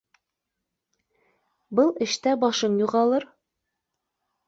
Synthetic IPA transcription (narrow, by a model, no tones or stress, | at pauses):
bɤlˠɘ̆ʃt̪æbɒʃɤnjuʁɑlˠɤɾ